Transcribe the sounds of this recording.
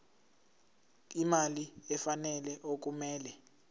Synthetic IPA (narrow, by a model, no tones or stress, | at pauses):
imaliɛfanɛlɛʔok̬umɛːlɛ